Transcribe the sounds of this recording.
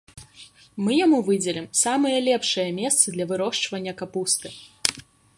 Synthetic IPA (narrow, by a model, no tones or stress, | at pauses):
mɨjamuvɨd͡zʲɛlʲimsamɨjɐlʲɛpʂɨjɐmʲɛst̪sɐd̪lʲɐvɨɾɔʂt͡ʂvɐnʲːɐkapust̪ɨ